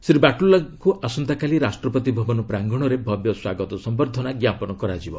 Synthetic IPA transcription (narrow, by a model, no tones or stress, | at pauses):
sɾibaʈulːakuasɔnt̪akaliɾasʈɾɔpɔt̪ibʱɔbɔnɔpɾaŋɡɔɽ̃ɔɾebʱɔbjɔswaɡɔt̪ɔsɔmbɔɾd̪ʱɔnaɡjapɔnɔkɔɾad͡ʒibɔ